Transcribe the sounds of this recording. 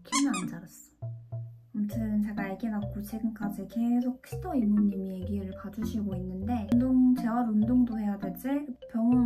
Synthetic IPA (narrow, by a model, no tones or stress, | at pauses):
kʰinɯnand͡ʑaɾas͈ʌ̥ | omt͡ɕʰɯnt͡ɕeɡaːɭɡenak͈ot͡ɕʰeɡɯnk͈ad͡ʑike̞sʰok̚ɕ͈ʰitʰʌimuɲimije̞ɡiɾɯɭkad͡ʑuɕʰiɡoinːɯnde̞ndoŋt͡ɕe̞waɾundoŋdohe̞jadwet͡ɕ͈epjʌŋɯ